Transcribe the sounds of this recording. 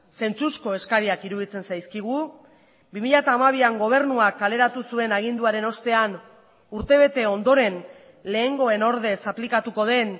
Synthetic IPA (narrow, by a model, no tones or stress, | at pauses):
se̞nt͡susko̞e̞skaɾiakiɾuðit͡se̞nsajskiɣ̞u | bimiʎat̪aːmaβiaŋɡo̞β̞e̞ɾnuakːale̞ɾat̪usue̞naɣ̞ind̪uaɾe̞no̞st̪e̞an | uɾt̪e̞β̞e̞t̪e̞o̞nd̪o̞ɾe̞n | le̞ːŋɡo̞e̞no̞ɾðe̞saplikat̪uko̞ð̞e̞n